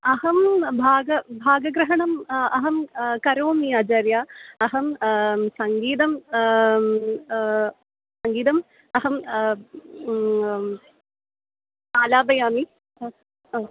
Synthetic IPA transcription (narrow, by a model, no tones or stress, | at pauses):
ɐɦɐmbʱaːɡɐbʱaːɡɐɡɾɐɦɐɳɐmɐɦɐmkɐɾoːmiɐd͡ʒɐːɾjaːɐɦɐmsɐŋɡiːd̪ɐm | sɐŋɡiːd̪ɐm | ɐɦɐm | aːlaːbɐjaːmi